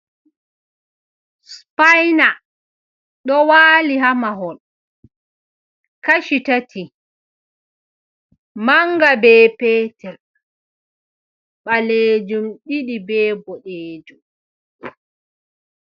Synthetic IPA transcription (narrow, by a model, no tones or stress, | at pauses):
spajna | ɗɔwaːliɦamaɦɔn | kaʃitatʰi | maŋɡabɛːpɛːtɛl | ɓaleːd͡ʒumɗiɗibɛːbɔɗeːd͡ʒum